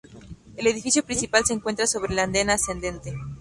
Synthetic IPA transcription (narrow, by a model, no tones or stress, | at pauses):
e̞le̞ðifisjopɾinsipalseːŋkwe̞nt̪ɾaso̞β̞ɾe̞laːnd̪e̞naːse̞nd̪e̞nt̪e̞